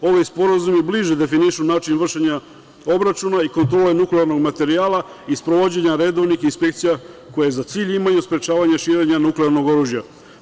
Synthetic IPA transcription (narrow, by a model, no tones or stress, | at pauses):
o̞ʋijspo̞ɾazumibliʒed̪e̞finiʃunaːt͡ʃinvr̩ʃeɲa | o̞bɾat͡ʃunaiko̞nt̪ɾo̞ːle̞nukleaɾno̞ɡmat̪e̞ɾiaːla | ispɾo̞ʋo̞d͡ʑe̞ɲaɾe̞d̪o̞ʋnixinspe̞kt̪sija | ko̞jezat̪siːʎimajuspɾe̞t͡ʃaːʋaɲaʃiːɾe̞ɲanukleaɾno̞ɡo̞ɾuːʒja